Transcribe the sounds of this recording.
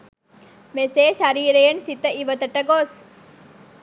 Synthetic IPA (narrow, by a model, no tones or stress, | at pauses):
meseːʃaɾiːɾejənsit̪əiʋət̪əʈəɡoːs